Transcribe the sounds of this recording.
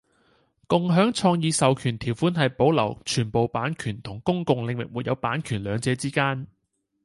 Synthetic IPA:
kʊ˨ŋɦœː˨˥ŋt͡ʃʰɔː˧ŋjiː˨˧sɐ˨wkʰyː˨˩nt̪ʰiː˨˩wfuː˨˥nɦɐ˨jpo˨˥wlɐ˨˩wt͡ʃʰyː˨˩npo˨wpaː˨˥nkʰyː˨˩nt̪ʰʊ˨˩ŋkʊ˥ŋkʊ˨ŋlɪ˨ŋwɪ˨k̚wuː˨˩jɐ̰˨˧wpaː˨˥nkʰyː˨˩nlœː˨˧ŋt͡sɛː˨˧t͡siː˥kaː˥n

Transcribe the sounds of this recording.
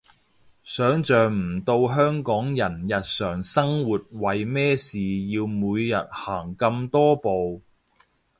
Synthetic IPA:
sœː˨˥ŋt͡ʃœː˨ŋm̩˨˩t̪o˧wɦœː˥ŋkɔː˨˥ŋjɐ˨˩njɐ˨t̚sœː˨˩ŋsɐ˥ŋwuː˨˩t̚wɐ˨jmɛː˥siː˨jiː˧wmuː˨˧jːɐ˨t̚haː˨˩ŋkɐ˧mt̪ɔː˥po˨w

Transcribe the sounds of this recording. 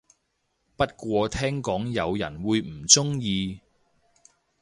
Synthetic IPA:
pɐ˥t̚kʷɔː˧t̪ʰɛː˥ŋkɔː˨˥ŋjɐ˨˧wjɐ̰˨˩nwuː˨˧jm̩˨˩t͡sʊ˥ŋjiː˧

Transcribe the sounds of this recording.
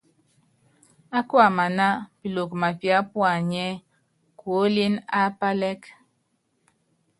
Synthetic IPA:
a˦kwa˨ma˨na˦pi˨lo˨kma˨pja˦pwa˨ɲɛ˦ | kwo˦li˦na˦pa˦lɛ˦k

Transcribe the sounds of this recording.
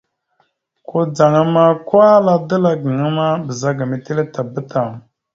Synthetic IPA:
ko˦d͡za˨ŋa˦ma˦kwa˦la˦də˦la˦ɡə˨ŋa˦ma˦bə˨za˦ɡa˨me˨te˦le˦ta˨bə˦ta˨

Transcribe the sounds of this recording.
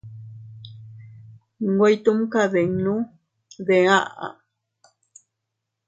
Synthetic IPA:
ŋɡo˦jt̪u˦mka˦ðe˨ŋnu˦ | ðe˨a˦ʔa̰˨

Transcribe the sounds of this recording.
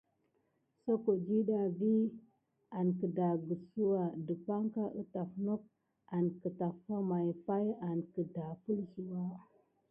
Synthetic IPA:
so˦ko˨d͡ʒi˦ɗa˨vi˦ | a˨nkə˨da˨ɡu˨su˦wa˨də˨pa˦ŋka˦ʔə˦˨ta˨fno˦k̚ | a˨nkə˨ta˨fa˦ma˨jfa˦ja˨nkə˨da˨fu˦lsi˨wa˦

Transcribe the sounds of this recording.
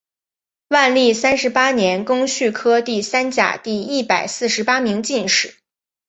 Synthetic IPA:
wa˥˧nli˥˩sa˥nʂɻ̩˧˥pa˥njɛ˧˥nkʊ˥ŋɕy˥˩kʰɤ˥t̪i˥˩sa˥nt͡ɕja̰˨˩t̪i˥˧i˥˩pa˨˩ɪsɹ̩˥˩ʂɻ̩˧˥pa˥mi˧˥ŋt͡ɕi˥˧nʂɻ̩˨˩˦

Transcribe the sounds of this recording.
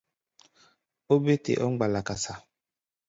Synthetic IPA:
o˦be˦tḛ˨ʔɔ˦ŋ͡mɡ͡ba˨la˨ka˨sa˨

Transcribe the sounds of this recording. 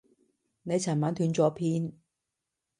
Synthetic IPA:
ne˨˧jt͡sʰaː˨˩nmaː˨˥nt̪ʰyː˨˧˥nt͡sɔː˨˥pʰiː˦˥n

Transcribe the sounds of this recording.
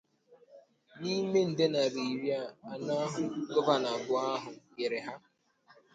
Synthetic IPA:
ni˦me˦n̩˨de˦na˨ɾi˨ɾja˦˨a˨na˦ɦʊ˨ɡɔ˦ba˨na˨bʊ˨a˦ɦʊ˨je˨ɾe˨ɦa˦

